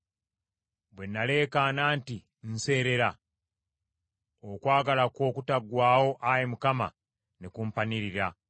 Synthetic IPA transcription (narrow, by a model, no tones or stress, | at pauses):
bwe̞nːale̞ːkanaːnti | n̩se̞ːɾe̞ɾa | okwaːɡalako̞ːkutaɡwaːwo̞ʔajemukama̰ | nekumpaniɾiɾa